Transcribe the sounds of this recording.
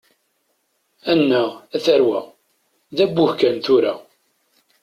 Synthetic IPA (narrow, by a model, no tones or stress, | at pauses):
ænːæʁæθæɾwæ | ðæbːʊhkænθʊɾa